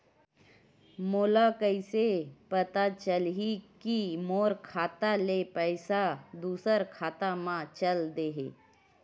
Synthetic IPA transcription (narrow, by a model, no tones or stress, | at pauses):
moːlakəisepət̪at͡ʃəlɦikimoːɾkʰaːt̪alepəɪsad̪uːsəɾkʰaːt̪amãt͡ʃəld̪eːɦḛ